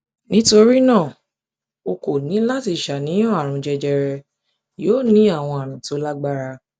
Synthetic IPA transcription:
nĩ˨˦to˧ɾi˦nãː˦˨ | o˧ko˨nĩ˨˦la˦ti˧˦˨ʃa˨nĩ˨˦j̃ɔ̃˦˨a˨ɾ̃ũ˧d͡ʒɛ˧d͡ʒɛ˧ɾɛ˧ | joː˦˨nĩ˨˦a˦˨w̃ɔ̃˧a˨ɾ̃ũ˨to˨˦la˦ɡ͡ba˦ɾa˧

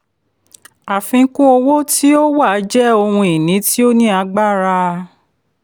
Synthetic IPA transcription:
a˨fĩ˧˦kũ˦o˧wo˦ti˦o˦wa˦˨˦d͡ʒɛ˦o˧hũ˧i˨nĩ˨˦ti˦o˦nĩ˦a˧˦ɡ͡ba˦˨ɾa˧

